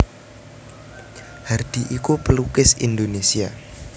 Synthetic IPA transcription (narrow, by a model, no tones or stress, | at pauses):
hard̪̥i̤ʔikupəlukɪsḭnd̪onesia